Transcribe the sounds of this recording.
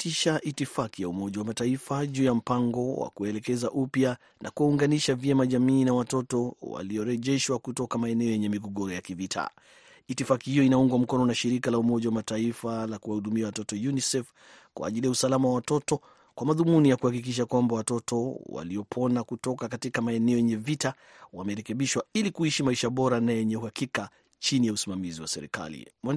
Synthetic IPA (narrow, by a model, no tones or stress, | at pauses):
tʰiʃaʔitifakijaumɔʄawamataifaʄuːjam̩paŋɡɔwa̰kuɛlɛkɛzaʔupja | nʔa̰kuuŋɡaniʃavjɛmaʄamiːnawatɔtɔwa̰liɔɾɛʄɛʃwakutɔkamaɛnɛɔjɛɲɛmiɡɔɡɔɾɔjakivitʰa̰ | itifakihijɔinauŋɡwam̩kɔnɔnaʃiɾikalaumɔʄawamataifalakuwahuɗumiawatɔtɔjunisɛf | kwʔa̰ːʄilijausalamawawatɔtɔ | kwamaðumunijakuhakik̬iʃ̬akwambawatɔtɔwa̰liɔpʰɔnakutɔkakatikamaɛnɛɔjɛɲɛvita | wamɛɾɛkɛɓiʃwailikuiʃimaiʃaɓɔɾanajɛɲɛuhakika | t͡ʃinijausimamiziwa̰sɛɾḭka̰lḭmɔ